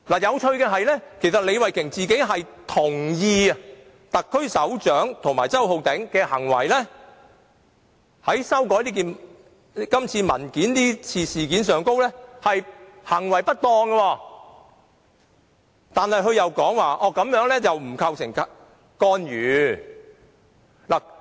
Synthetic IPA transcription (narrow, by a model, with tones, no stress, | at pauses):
laː˨˩jɐ˨˧wt͡ʃʰɵ˧ɥkɛː˧ɦɐ˨jlɛː˥kʰe˨˩jsɐ˨t̚le˨˧jwɐ˨jkʰɪ˨˩ŋt͡siː˨ke˨˥jɦɐ˨jt̪ʰʊ˨˩ŋjiː˧ɐ˧ | t̪ɐ˨kʰːɵ˥ɥsɐ˨˥wt͡ʃœː˨˥ŋt̪ʰʊ˨ŋmaː˨˩jt͡sɐ˥who˨˧wt̪ɪ˨˥ŋkɛː˧hɐ̰˨˩ŋwɐ̰˨˩jlɛː˥ | hɐ˨˥jsɐ˥wk̬ɔː˨˥jliː˥k̬iː˨n | kɐ˥mt͡sʰiː˧mɐ̰˨˩nkiː˨˥nniː˥t͡sʰiː˧siː˨˩kiː˨˥nsœː˨˩ŋko˥wlɛː˥hɐ˨jhɐ˨˩ŋwɐ˨˩jpɐ˥t̚t̪ɔː˧ŋɡɐ˧wɔː˧ | t̪aː˨nhɐ˨˧jɦɵ˧ɥjɐ˨wkɔː˨˥ŋwaː˨˧ʔɔː˧kɐ˨˥mjœː˨˥ŋlɛː˥t͡sɐ˨wm̩˨˩kʰɐ˧wsɪ˨˩ŋ | kɔː˧njyː˨˧ | la˨˩